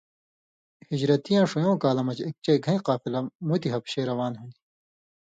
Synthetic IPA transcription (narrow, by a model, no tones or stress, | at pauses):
hid͡ʑɾɐt̪ijãːʂujõːkaːlɐmɐt͡ɕek̚t͡ɕɐiɡʱɐ̃ĩqaːfilɐmut̪iɦɐpɕeːɾɐwaːnɦũːnd̪i